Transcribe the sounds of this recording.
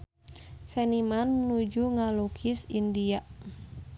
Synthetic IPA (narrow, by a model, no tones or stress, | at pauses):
sɛnimanːud͡ʒuŋalokʰisindiaʔ